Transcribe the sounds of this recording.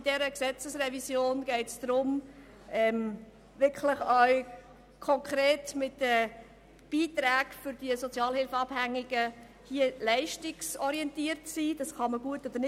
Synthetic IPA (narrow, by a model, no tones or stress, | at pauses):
ɪd̥ɛɾəksɛt͡səsrɛvisjoːnɡ̥ɛɪtsd̪̥ɾʊm | ʔɛm | ʋɪkʰləχœɥ | kʰɔŋkʰɾeːtmɪtdə | b̥iːtɾæːɡfʏɾd̥iəsot͡sjɑːlhɪlfəɑb̥hæŋːɪɡə | hiəlɛɪʃtɪksɔɾiɛntiəɾtsiːd̥ɑsχɑməɡ̥uətːod̥̪ən